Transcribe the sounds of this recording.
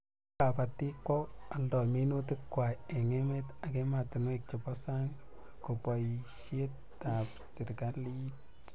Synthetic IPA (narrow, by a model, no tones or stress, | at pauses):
kapatikwɔaldɔminutɪkkːwaeŋemetakematɪnwek̚t͡ʃɪpɔsaŋ | kopɔiʃet | tapsɪrkalit